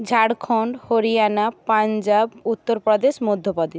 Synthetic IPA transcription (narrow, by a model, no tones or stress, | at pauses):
d͡ʒʱaɽkʰɔɳɖhoɾijanapːand͡ʒabut̪ːoɾpɾɔd̪esmɔd̪ʱːopɔd̪i